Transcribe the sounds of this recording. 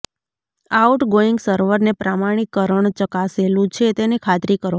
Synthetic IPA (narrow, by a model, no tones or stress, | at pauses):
auʈɡoiŋɡsəɾʋəɾnepɾamaɽ̃ikːəɾəɳ̃t͡ʃəkaselũt͡ʃʰet̪enekʰat̪ɾikəɾʋ